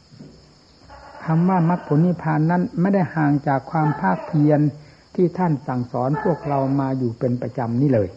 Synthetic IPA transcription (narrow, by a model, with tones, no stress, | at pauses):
kʰa˧mʋaː˧˩ma˧˥˩k̚pʰo˨˦nwi˧˥pʰaː˧nːa˧˥˨nma˧˥˨nda˥˩jhaː˨˩ŋt͡ɕaː˨˩kʰːwaː˧mpʰaː˥˩k̚pʰi˧ən | t̪ʰiː˧˥˩t̪ʰa˥˩˨nsa˨˩ŋsɔː˩˦npʰu˥˩ək̚ɾa˧wmaː˧juː˨˩pe˧npɾa˧t͡ɕa˧mniː˥˩lɤː˧j